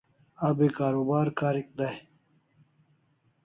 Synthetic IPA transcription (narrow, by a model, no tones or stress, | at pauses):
ɐbekaːɾoːbaːɾkaːɾik̚d̪aj